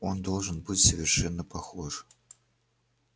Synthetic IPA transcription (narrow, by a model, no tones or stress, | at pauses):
ɔnd̪ɔlˠʐɨnbɨt͡sʲsəvʲɪrʂɛnːəpaxɔʐɨ